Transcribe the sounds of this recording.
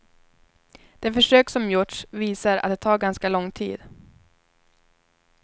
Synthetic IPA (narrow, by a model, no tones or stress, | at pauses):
d̪̥ɛfœʂøːksɔmjʊʈʂviːsaɾʔa̰t̪̚d̪ɛt̪ʰɑːɾɡanskalɔŋːt̪ʰḭːd̪̥